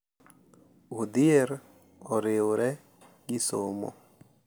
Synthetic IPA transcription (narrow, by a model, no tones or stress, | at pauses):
ud̪ɪeɾ | ɔɾɪoɾɛ | ɡɪsomo̰